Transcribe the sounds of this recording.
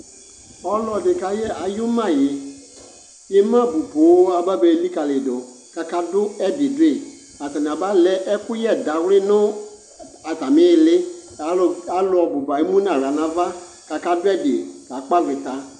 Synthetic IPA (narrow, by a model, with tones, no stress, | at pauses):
ɔ˦lɔ˨dɪ˨ka˨jɛ˦a˨jʊ˦mã˦˨jɪ˨ | je˦mã˦bu˨po˨˦a˨ba˦be˨˦li˦ka˨lɪ˨dʊ˨ | ka˨ka˦dʊ˦ɛ˦dɪ˨dʊ˦ɪ˦˨ | a˨ta˨nã˨ba˦lɛ˦ʔɛ˦kʊ˦jɛ˦˨da˨wlɪ˦nʊ̃˦ | a˨ta˨mɪ̃˦jlɪ˦a˨˦˨a˨˦lʊ˨ɔ˨bʊ˨ba˨i˦mũ˦nã˨ɾa˨nã˨va˦ | ka˨ka˦dʊ˦ɛ˦dɪ˨ka˨˦k͡pa˦vɪ˨t̪a˨